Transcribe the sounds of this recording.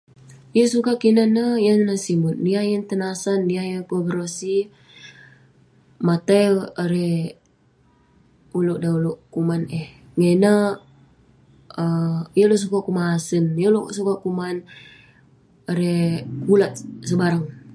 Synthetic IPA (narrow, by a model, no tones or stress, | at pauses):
ijəsukakinanəjənːəsimut̪̚niajənt̪ənasanːiajəŋkoɡɾosi | mat̪aləɾɛ | uloʔdauloʔkumanɛh | ŋenə | əjəlos̬ukakumasənjəlo̰sukakuman | aɾekulat̪̚səbaɾaŋ